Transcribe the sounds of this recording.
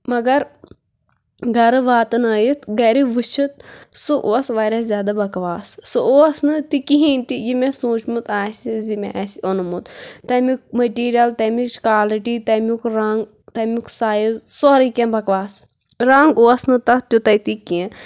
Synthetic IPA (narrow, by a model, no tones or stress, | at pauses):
mɐɡɐɾ | ɡʱɐɾɨʋaːt̪ɐnɐːjit̪ɡɐɾiʋɨt͡ʃʰit̪̚suʔoːsʋaːɾʲaːzʲjaːd̪abɐkʋaːsːuoːsnɨt̪ikiɦĩːnʲt̪ijimẽsũːt͡ʃmut̪aːsʲizimḛʔɐsionumut̪t̪ɐmuk̚mɐʈiːɾijɐlt̪ɐmit͡ʃkaːliʈit̪ɐmukɾɐŋɡ | t̪ɐmʲuksaːjizsoɾikẽːbɐkʋaːs | ɾɐŋɡoːsnɨt̪ɐt̪ʲjut̪ɐt̪ikẽ